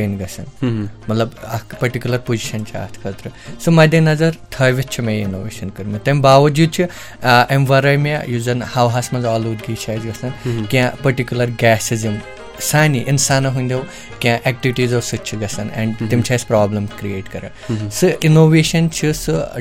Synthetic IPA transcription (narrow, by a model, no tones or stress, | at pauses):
enɡɐsɐ̰nmɐt̪lɐbɐpɐɾʈikʲjulɐɾpoziʃɐnt͡ʃʰia̰ːt̪ʰkʰɐːt̪ɾɨsɨmɐd̪enɐzɐɾt̪ʰɐːjʋitt͡ʃʰimɐ̃jinoːʋḛːʃɐnkɐɾmit̪ɐmbaːʋɐd͡ʒuːd̪̚t͡ʃʰi | emʋaːɾɐːjma̰juzɐnhaːwɦaːsmɐnzaːluːd̪ɡiːt͡ʃʰaːjzɡɐsɐnkiãpɐɾʈikʲjulɐɾɡɛːsizim | saːniʔinsaːnɐɦũnʲd̪ʲew | kiãʔɛk̚ʈiʋiʈiːzɐʋsɨt͡ʃʰiɡɐsɐnɛ̰̃ɳɖt̪imt͡ʃʰaːjspɾaːblɐmkɾieːʈkɐɾɐ̰ | sɨʔinoːʋeːʃɐnt͡ʃʰisɨ